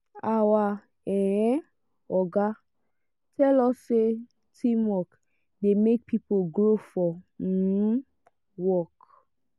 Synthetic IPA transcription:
awa | ɛɛ | ɔɡa | tʰɛlɔsːe | tʰĩmwɔk | demek̚pʰipolɡɾofɔ | wɔk

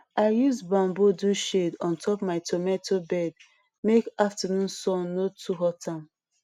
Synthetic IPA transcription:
aɪjusbãmboduʃedɔ̃ntʰɔpmaɪtʰomɛ̃tobɛd̚ | mekaftanũnsɔ̃nːotʰuɦɔtʰãm

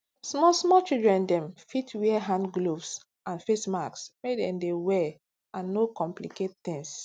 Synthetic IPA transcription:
smɔsmɔt͡ʃildɹɛ̃ndɛ̃mfitʰwiɛɦãndɡlovs | ʔãnfesmaksmedɛ̰̃mdewɛ | ʔãnːokɔ̃mpliket̚t̪ɪ̃ŋs

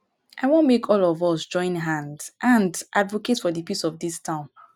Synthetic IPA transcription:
ʔaɪwõnmekʰɔlɔvɔsd͡ʒɔ̃ɪ̃nɦãndʔãndʔadvoketfɔðəpisɔvdistʰãʊ̃n

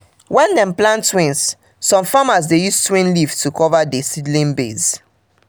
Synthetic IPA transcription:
wɛ̃ndɛ̃mplãntːwĩnsː | ɔ̃mfamazdejustwĩnlivtukʰɔvadesidlĩnbez

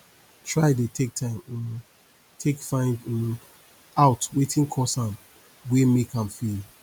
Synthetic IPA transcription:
tʰɹaɪdetʰek̚tʰãɪ̃m | tʰekfãɪ̃nd | aʊtwetʰĩŋkʰɔsãm | wemikãmfil

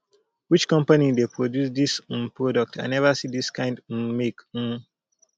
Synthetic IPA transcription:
wit͡ʃkɔ̃mpanidepʰɹodjusdisnpɹɔdək̚tʰã̰nɛvəsidiskʰãɪ̃ndmek̩

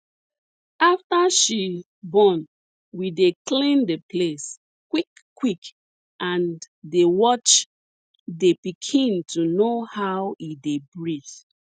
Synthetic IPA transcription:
aftaʃi | bɔn | wideklĩndeples | kwikː | wik | ʔãn | dewɔt͡ʃ | depikʰĩntunohawidebɹiθ

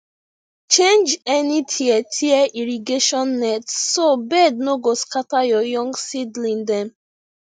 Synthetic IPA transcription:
t͡ʃẽnd͡ʒɛnitʰiɛtʰiɛʔiɾiɡeʃɔ̃nːɛtssobɛd̚noɡoskatajɔjɔ̃ŋɡsidlĩndɛ̃m

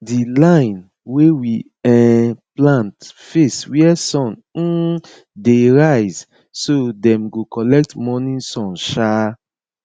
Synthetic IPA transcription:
dilãj̃n | wewi | ɛplãntfeswiɛsɔ̃n̩ | deɹajz | sodɛ̃mɡokɔlɛk̚tmɔnĩsɔ̃nʃa

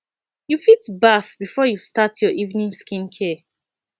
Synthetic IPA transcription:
jufitbafbifɔjustatʰjɔʔivnĩŋskĩnkʰe

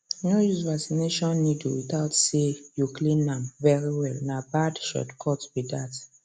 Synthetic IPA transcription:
nojuzvaksineʃɔ̃nːitṵwit̪aʊtsejuklĩnːãmvɛɹiwɛlnabadʃɔ̰tkʰɔtbidat

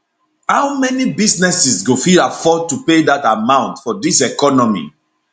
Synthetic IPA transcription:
haʊmɛnibisnɛsisɡofilafɔd̚tupedatamãʊ̃ntfɔdisɛkɔnɔmḭ

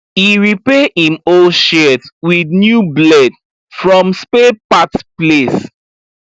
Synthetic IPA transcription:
hiɹipɛhĩmolʃɛtwidnjublɛd | fɹɔ̃mspepatples

